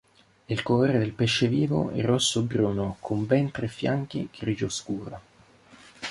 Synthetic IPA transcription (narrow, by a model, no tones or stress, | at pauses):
ilkoloːɾed̪elpeʃːeviːvo̰ɛ̰rːɔsːobɾuːnokʰombɛnt̪ɾɛfːjaŋk̟iɡ̥ɾiːd͡ʒoskuːɾo